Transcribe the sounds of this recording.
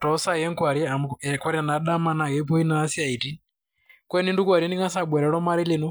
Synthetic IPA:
tɔ˨˦sa˦jɛ˦ŋkwa˨ɾi˦a˨ɛkwa˦ɾi˦a˨na˨˦ɗa˦ma˦na˨ɣɛ˨˦pɔ˦i˦naː˨˦si˦a˨i˨ti˦ | kwɛ˦ni˦ndu˦k̬wa˨ɾɛ˦ni˦ŋa˦sa˦˨ɓɛ˨ɾɛ˨ɺɔ˦ma˦ɾi˦li˨nɔ˦

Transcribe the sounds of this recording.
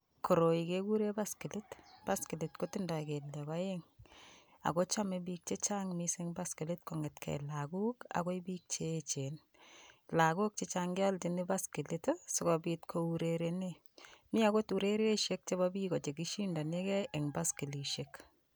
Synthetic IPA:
ko˨ɾo˨i˨keku˦ɾe˦ba˦ski˨li˦tb̥a˦ski˨li˨tko˦ti˦nda˨ke˨ljɔ˨ka˦eŋ | a̰˨ko˦t͡ʃa˦mebi˦k̚t͡ʃe˦t͡ʃa˦ŋmiseŋba˦skɪ˨lɪ˦t̚ko˨ŋɪ˨tkʰɛ̰˨la˨ku˦ka̰˨ko˦ibiː˦k̚t͡ʃe˦t͡ʃe˨n | la˨ku˦k̚t͡ʃet͡ʃaŋɡa˦lti˨nɪba˦ski˨litsɪ˨kɔbitkʰouɾeɾene | mi˦a˦ko˦tu˨ɾe˦ɾe˦ʃek̚t͡ʃebabi˦kɔ˨t͡ʃe˨ki˦ʃi˦nda˨ne˦kɛ˦eŋba˦ski˨li˨ʃek

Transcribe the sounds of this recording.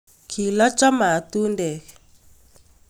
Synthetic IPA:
kʰi˨la˦t͡ʃʼa˦ma˨tu˦ndɛː˨k

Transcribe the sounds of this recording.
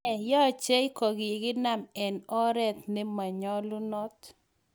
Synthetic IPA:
jɔ˦˨t͡ʃe˦i˦kɔ˨ɡɪ˨ɡɪ˦na˦mɛ˨nɔ˦ɾɛ˦t̪̚nɛ˦ma˨ɲɔ˦lʊ˦nɔ˦t̪

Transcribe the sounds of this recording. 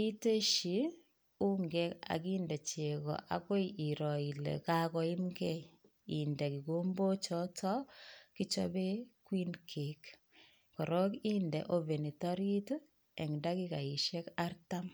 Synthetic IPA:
i˦te˦ʃi˨ | u˦ŋɡe˦ka̰˨kiː˦ndɛ˨t͡ʃe˨kɔ̰˨ʔa̰˨ko˦ji˨ɾɔ˨i˨lḛ˨kakɔ˨i˦mɡe˦ | i˨ndɛ˨ki˨ko˦mbo˦t͡ʃɔ˦tʰɔ˦ki˦t͡ʃɔ̰˦be˦kwi˦nkʰe˨k | kɔ˨ɾɔ˦ki˦ndɛ̰˨ʔo˦ve˨ni˨tɔ˦ɾi˦t | ɛ˨ŋda˦ki˦ka˨i˨ʃɛ˦ka˦rta˦m

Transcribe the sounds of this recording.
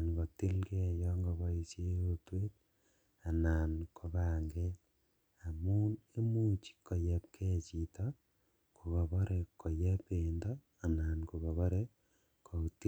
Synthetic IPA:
nko˨ti˦lke˦˨jɔ˦ŋɡo˨βa˦isje˦jo˦twe˦t̚ | a˨naː˨nkʰo˨βaː˨ŋɡe˦l | a˨mu˦ne˦mu˦t͡ʃi̥˨ko˨je˦p̚kʰe˦t͡ʃi˨to˦ | ku˨βo˨βo˦ɾeko˨je˦peː˨ndo˦ | a˨na˨nku˨βo˨βo˦ɾe˦ | kʰo˨u˨ti˦

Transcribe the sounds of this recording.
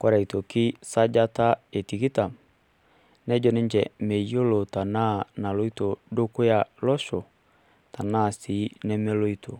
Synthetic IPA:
kwɔ˦ɾa˨i˨to˨ki˦sa˦d͡ʒa˦ta˦e˨ti˨ki˦ta˨m | nɛ˦d͡ʒɔ˦nɛ˦ɲd͡ʒɛ˨me˨jo˦lo˨ta˨na˦˨na˨lo˦i˦to˨do˦ko˦ja˨lɔ˦ʃɔ˨ | ta˨na˦˨si˨˦nɛ˦mɛ˦lo˦i˦to˨

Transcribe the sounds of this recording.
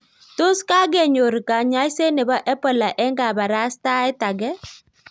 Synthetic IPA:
to˦ska˦ɡe˨ɲo˨ɾka˨ɲa˦ɪ˦se˦ne˨bɔ˦ʔɛ˦pɔ˨la˨ʔɛ˦ŋɡa˨ba˨ɾa˦sta˦ɛ˦ta˨ɡɛ˦

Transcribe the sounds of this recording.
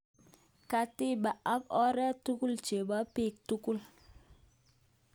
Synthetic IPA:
ka˨ti˦ɓa˨ʔa˦k̚ɔ˦ɾɛ˦tu˦ku˦lt͡ʃe˨ba˨˦pi˦˨k̚tu˦ku˦l

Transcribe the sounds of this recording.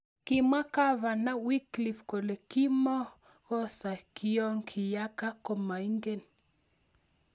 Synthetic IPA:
kɪ˨ma˦ka˦va˨na˦wi˦kli˨fko˨le˨ki˦mɔ˦ | ɣ̥ɔ˦sa˨ki˦jɔ˦ŋkʰɪ˨ja˦ka˦ko˨ma˨i˦ŋɡe˦˨n

